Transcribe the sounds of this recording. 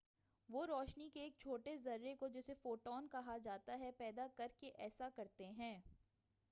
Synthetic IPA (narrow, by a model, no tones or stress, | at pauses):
ʋoːɾɔːʃnikeːk̚t͡ʃʰoːʈezɐɾːekod͡ʒɛːsefoːʈɔːnkɐɦad͡ʒaːt̪aɦɛpɛːd̪akɐɾkeʔɛːsakɐɾt̪eɦɛ̃ː